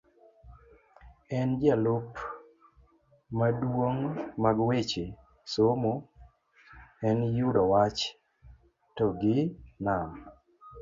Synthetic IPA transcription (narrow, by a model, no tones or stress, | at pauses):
ɛnd͡ʒalop | madwoŋmaɡwet͡ʃe | somo | ɛnjudɔwat͡ʃ | tɔɡɪna